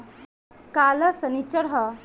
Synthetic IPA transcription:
kaləsənit͡ʃəɾɦə

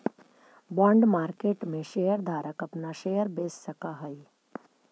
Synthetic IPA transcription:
bɔ̃ːɳɖmaːɾkeːʈmẽʃeːjəɾd̪ʱaːɾəkɐpnaʃeːjəɾbeːsːɐkaɦəi

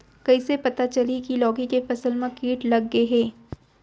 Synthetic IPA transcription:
kɐisepɐt̪at͡ʃɐlikilɔːɡikefɐsəlmãkiːʈlɐɡːeɦɛː

